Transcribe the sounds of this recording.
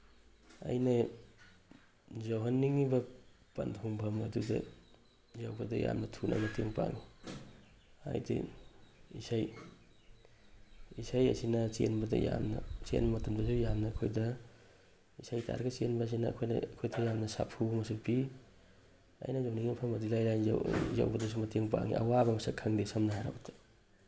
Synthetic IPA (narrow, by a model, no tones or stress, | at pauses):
ɐ̰jnɐ | zɔɦɐnːiŋibɐ | pɐ̰ntʰuŋpʰɐmɐdudɐ̰ | zjawbɐdɐja̰mnɐtʰunʔa̰nɐteŋpa̰ŋi | a̰jdḭ | isaj | isajɐsinɐt͡ʃenbɐdɐ̰jamnɐ̰t͡ʃḛnbɐmɐtumdɐsujamnɐːkʰojdɐ | isajtʰa̰ɾɡɐsenbɐs̬inɐ̰ːkʰojnɐ̰kʰojdɐjamnɐsa̰pʰumɐsupi | a̰jnɐjawniɡimɐpʰɐmɐdulajlajnza̰za̰wbɐdɐs̬umɐteŋpa̰ŋḭʔa̰wabɐmɐsakʰaŋdesɐmnaɦaɾa̰wtʰḁ